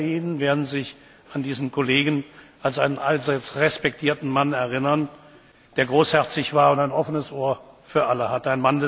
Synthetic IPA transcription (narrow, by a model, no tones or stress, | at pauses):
iːnənveːɐdn̩zɪç | andiːzn̩kʰoleːɡən̩ʔalsaɪnənʔalzaɪt͡sʁɛspɛk̚tʰiːɐtn̩manɛɐʁɪnɐn | d̥eːɐɡʁoːshɛɐt͡sɪçv̥aːɐʊntaɪnʔɔfənəsʔoːɐfyːɐʔaləhatəaɪnmandɛ